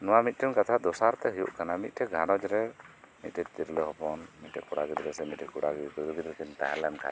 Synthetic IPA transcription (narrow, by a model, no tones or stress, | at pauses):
nɔwamit̪̚ˀtʰɔnkat̪ʰad̪ɔsaɾt̪ɛɦujṵʔkanamit̪̚tʈʰɛɡʱanɔd͡ʒɾɛ | mit̪̚tɛt̪iɾlɔɦɔpɔnmit̪̚ʈɛkuɽaɡid̪ɾɛsɛmit̪̚tʰɛkuɽaɡɛkuɾuɡid̪ɾkɛnt̪a̰ɦɛlɛnkʰa̰